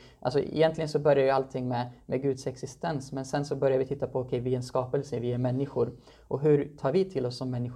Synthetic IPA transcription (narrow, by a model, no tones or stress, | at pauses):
ʔa̰lsɔ̰ɪ̰jɛnt̪lɪɡənsɔbœɾjaɾjɵalt̪ʰɪŋːmɛmɛɡʉ̟ːd̪sɛksɪst̪ɛnsmɛnsɛnsɔbœɾjavɪt̪ʰɪt̪ːapʰɔːkʰɛjvɪɛnskɑːpɛlsəvɪæɾmɛnːɪɧʊɾ | ʔɔɦɵɾt̪ʰɑːɾvɪt̪ʰɪlːɔsːɔmːɛnːɪɧ